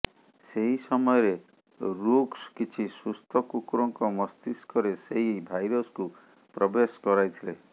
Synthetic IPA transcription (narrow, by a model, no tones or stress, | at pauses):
seɦisɔmɔjɔɾe | ɾukskit͡ʃʰisust̪ʰɔkukɾɔŋkɔmɔst̪iskɔɾeseɦibʱajɾɔsku | pɾɔbeskɔɾajt̪ʰile